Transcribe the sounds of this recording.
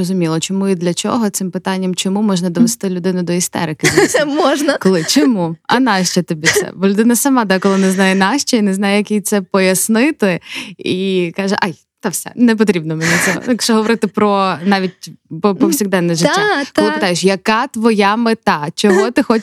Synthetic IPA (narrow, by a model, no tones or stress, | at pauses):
rɔzʊmʲilˠɔt͡ʃɔmuid̪lʲɐt͡ʃɔ̰ɦɔt̪sɪmpɪt̪ɑnʲːɐmt͡ʃɔmumɔʒnɐd̪ɔʋest̪ɪlʲʊd̪ɪnʊd̪ɔist̪ɛ̰ɾɪkɪsʲmɔʒnɐkɔlˠɪt͡ʃɔmuɐ̰nɑʃt͡ʃɐt̪ebʲisɛ̰bɔlʲʊd̪ɪnɐsɐmɑd̪akɔlˠɪnɛznɑjɛnɑʃt͡ʃɐinɛznɑjɛjɐkʲijt̪sɛpɔjɐsnɪt̪ɪikɑʒɛʔɑj | t̪ɐfsʲɛ̰nɛp̬ɔt̪ɾʲibnɔmɛnʲɛt͡sʲɔɦɔ̰kʃɔɦɔʋɔɾɪt̪ɪpɾɔnɑʋʲit̚ʲpɔpɔwsʲiɣd̪ɛnːɛʒɪːak̪lˠɪpɪt̪ajeʃjɐkɑt̪ʋɔjamɪt̪ɑt͡ʃɔɦɔt̪ɪxɔt͡ʃ